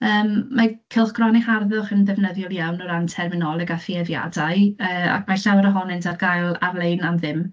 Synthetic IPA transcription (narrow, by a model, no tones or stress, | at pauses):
əːmːakʰɪlˠχɡ̥rɔniharðʊχənðɛvnəðjɔlˠjawnuɾantʰɛrmɪnɔlˠɛɡaθiɛvja̰daɨəːa̰k̚ʰmaɬawɾəɦɔnɪntʰarɡaɨlˠarlˠejnamðɪm